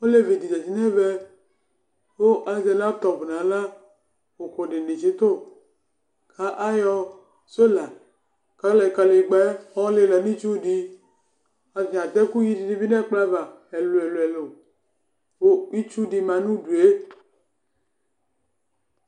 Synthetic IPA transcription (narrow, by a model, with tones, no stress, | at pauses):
o˦le˦vi˨di˨d͡ʒa˨d͡ʒi˨˦nɛ˦vɛ˦ | wo˦ʔa˨ze˨la˦t̪ɔ˨bu˨nã˨la˦ | wo˨ko˨de˨ne˨t͡ʃe˨˦t̪o˦˨ | kʰa˦ʔa˦jɔ˦ | so˦la˨ | ka˦lɛ˨ka˨lɡ͡bɛ˦ɔ˦le˦la˨nĩ˦t͡ʃu˦di˦ | a˨ã˨t̪ɛ˦ku˦ji˦d͡ʒi˨ni˦vi˦nɛ˦k͡pla˦va˨ | ɛ˨lo˨ɛ˨lo˨ɛ˨lo˨ | wo˦i˦t͡ʃu˦di˨mã˨nũ˦du˨e˦